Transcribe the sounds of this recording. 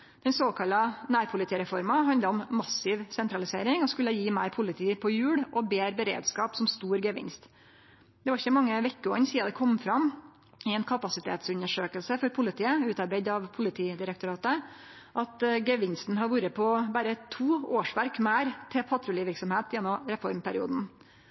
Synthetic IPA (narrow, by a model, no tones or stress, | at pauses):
d̪̥ɛnsoːkʰɑlːɑnæːɾpʰʊlɪt̪ʰiːɾɛfɔɾmɑɦɑnd̪əɔmːɑsːɪʋsɛnt̪ɾɑlɪseːɾɪŋɔskʉlːəjiːmæɪɾpʰʊlɪt̪ʰiːpʰɔjʉːɽʔɔbeːɾbəɾḛːd̪skɑːpsɔmst̪uːɾɡeːʋɪ̰nst̪ | d̪̥ɛʋɑɾɪçəmɑŋːəʋɛkːəɔ̰nːsiːd̪ɑd̪ɛkʰɔmːfɾɑmː | ɪɛnkʰɑpɑsɪt̪ʰḛːt̪sʉnəʂøːkəlsəfɔɾpʰʊlɪt̪ʰiːəʉːt̪ɑɾbæɪd̪ɑʋpʰʊlɪt̪ʰiːd̪ɪɾəkt̪ʊɾɑːt̪ə | ʔɑt̪ɡeːʋɪnst̪n̩ɦɑʋuːɾəpʰɔbæːɾət̪ʰuːoːʂʋæɾkmæːɾt̪ʰɛpʰɑt̪ʰɾʊlɪʋɪɾksɔmheːt̪jɛnːɔmɾɛfɔɾmpʰæɾɪuːd̪n̩